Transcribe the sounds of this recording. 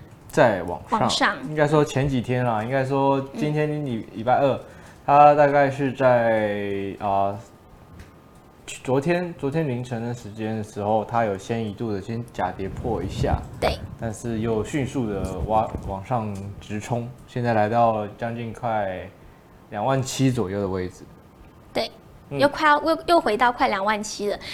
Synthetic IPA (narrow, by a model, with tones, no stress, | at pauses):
t͡sa˥˩ɪwɑ̰˨˩ŋʂɑ̰˥˨ŋɑ˥˩ŋi˥ŋka˥ɪʂwɔ˥t͡ɕʰjɛ˧˥nt͡ɕi˨˩t̪ʰjɛ˥nla˨i˥ŋka˥ɪʂwɔ˥t͡ɕi˥nt̪ʰjɛ˥ni˥ni˨li˨˩pa˥˧ɪə˥˩t̪ʰa˥t̪a˥˧ka˥˧ɪʂɻ̩˥˧t͡sa˥˩ɪɪ | ə˩˥˩ | t͡swɔ˧˥t̪ʰjɛ˥nt͡swɔ˧˥t̪ʰjɛ˥nmi˧˥ŋʈ͡ʂʰə˧˥ŋd̪ə˨ʂɻ̩˧˥t͡ɕjɛ˥nd̪ə˩ʂɻ̩˧˥xo˥˩ʊt̪ʰa˥jo˨˩ʊɕjɛ˥ni˧˥t̪u˥˩d̪ə˩ɕjɛ˥nt͡ɕja˨˩t̪jɛ˧˥pʰwɔ˥˩ḭ˧˥ɕja̰˥˩t̪we˥˩ɪt̪a˥˧nʂɻ̩˥˧jo˥˧ʊɕy˥˧nsu˥˩d̪ə˩wa˥wɑ˨˩ŋʂɑ˥˩ŋʈ͡ʂɻ̩˧˥ʈ͡ʂʰʊ˥ŋɕjɛ˥˧nt͡sa˥˩la˧˥ɪt̪ɑ˥˩ʊt͡ɕjɑ˥ŋt͡ɕi˥˧nkʰwa˥˩ɪ | ljɑ˨˩ŋwa˥˩nt͡ɕʰi˥t͡swɔ˨˩jo˥˩ʊd̪ə˩we˥˩ɪd͡zɹ̩˨˩ | t̪we˥˩ɪ | n̩˥˨jo˥˧ʊkʰa˥˩jo˥˩jo˥˩ʊxwe˧˥ɪt̪ɑ˥˧ʊkʰwa˥˩ɪljɑ˨˩ŋwa˥˩nt͡ɕʰi˥lə˨